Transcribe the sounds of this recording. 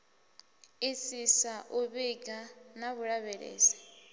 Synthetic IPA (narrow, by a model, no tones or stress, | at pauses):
isisaʔuβiɡanaβuɺaβɛɺɛ̰ːsɛ̥